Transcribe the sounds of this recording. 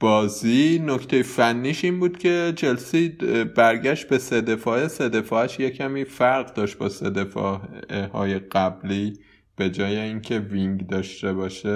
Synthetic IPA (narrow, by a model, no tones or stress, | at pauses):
b̥ɒːziːno̞cʰt̪ʰe̞jefænːiːʃiːnbuːd̪̥cʲʰe̞d͡ʒelsiːb̥æɾɟæʃt̪̚be̞sed̪e̞fɒːese̞d̪e̞fɒːæʃje̞cʰæmiːfæɾɣd̪ɒːʃt̪̚bɒːsed̪e̞fɒ̰ːhɒ̰ːje̞ɢ̥æbliː | b̥e̞d͡ʒɒːje̞iːŋcʰe̞viŋɡd̪ɒːʃt̪e̞βɒːʃe